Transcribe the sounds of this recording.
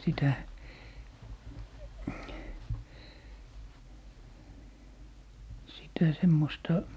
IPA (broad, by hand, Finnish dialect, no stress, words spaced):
sitæ sitæ semːostɑ